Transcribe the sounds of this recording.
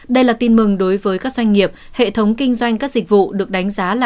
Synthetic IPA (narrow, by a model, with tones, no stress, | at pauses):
ɗə˧jlaː˨˩t̪i˧nmɨ˨˩ŋɗo˨˦jvəː˨˦jkaː˦˥k̚zwa˧jŋ̟ŋi˨˩əp̚hḛ˧˨t̪ʰə˨˦wŋ͡mkï˧ŋ̟zwa˧jŋ̟kaː˦˥k̚zï˨˩k̟̚vṵ˧˨ɗɨ˨˩ək̚ɗa˨˦ŋ̟zaː˨˦laː˨